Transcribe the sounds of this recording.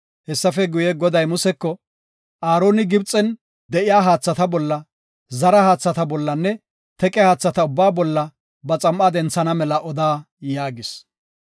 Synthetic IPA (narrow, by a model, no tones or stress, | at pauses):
hɛsːɐfɛɡʊjɛɡɔd̪ɐjmʊsɛkːɔ | ʔaːɾo̞ːnɪɡɪbt͡sʼɛn | d̪ɛʔɪjaːɦaːt͡sːɐt̪ɐbɔlːɐ | zɐɾɐhaːt͡sːɐt̪ɐbɔlːɐnːɛ | t̪ɛkʼɛhaːt͡sːɐt̪ɐʊbːaːbɔlːɐ | bɐt͡sʼɐmʔad̪ɛnt͡sːɐnɐmɛlɐʔɔd̪aː | jaːɡɪs